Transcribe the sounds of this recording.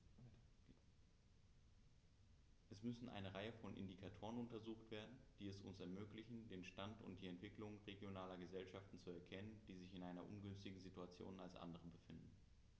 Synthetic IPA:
ʔɛsmʏsn̩ʔa̰ɪnəʁaɪəfɔnʔɪ̰ndikʰatʰoːʁ̞ənʊntɐzuːxtv̥eːɐdn̩d̥iːɛsʊ̰nsɛɐmøːklɪçn̩deːnʃtantʊ̰nt̚d̥iːɛntv̥ɪklʊŋʁeɡjonaːlɐɡəzɛlʃaftn̩t͡suɛɐkʰɛnənd̥iːzɪçɪnʔaɪnɐʔʊ̰nɡʏnstɪɡŋ̩zituat͡sjo̰ːnalsʔa̰ndəʁ̞əbəfɪndn̩

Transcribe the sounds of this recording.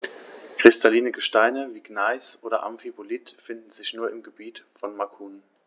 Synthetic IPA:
kʁ̥ɪstʰaliːnəɡəʃtaɪnəviːɡnaɪsʔoːdɐ̰ʔa̰mfibolitfɪndn̩zɪçnuːɐɪmɡəbiːtfɔnmakʰuːn

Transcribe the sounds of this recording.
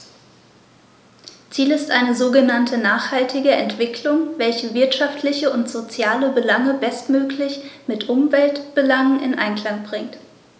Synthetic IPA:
t͡siːlɪstʔaɪnəzoːɡənantʰənaːχhaltɪɡəɛntv̥ɪklʊŋvɛlçəvɪɐtʃaftʰlɪçəʊntz̥ot͡sjaːləbəlaŋəbɛstmøːklɪçmɪtʔʊmvɛltb̥əlaŋənʔɪ̰nʔa̰ɪnkl̥aŋbʁɪŋt

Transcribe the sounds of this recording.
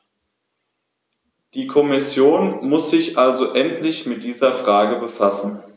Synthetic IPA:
d̥iːkʰɔmɪsjoːnmʊsz̥ɪçʔalzoʔɛntlɪçmɪt̚d̥iːzɐfʁ̥aːɡəbəfasn̩

